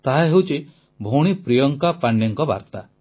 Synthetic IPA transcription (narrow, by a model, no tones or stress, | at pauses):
t̪aɦaɦewt͡ʃʰi | bʱowɽ̃ipɾijɔŋkapaɳːeŋkɔba̰ɾt̪a